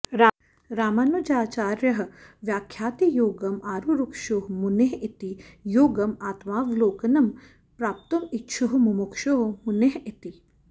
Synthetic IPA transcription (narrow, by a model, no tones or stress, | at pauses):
ɾa | ɾaːmɐnud͡ʒaːt͡ʃaːɾjɐɦʋjaːkʰjaːt̪ijoːɡɐmaːɾuɾukʃoɦmuneɦit̪ijoːɡɐmaːt̪maːʋloːkɐnɐm | pɾaːp̚t̪ɐmitːʃʰuɦmumukʃoɦmuneɦit̪i